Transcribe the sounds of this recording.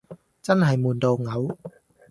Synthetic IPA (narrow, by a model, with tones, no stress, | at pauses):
t͡sɐ˥nɦɐ˨˩jmuː˨˩nt̪o˧wŋɐ˨˥w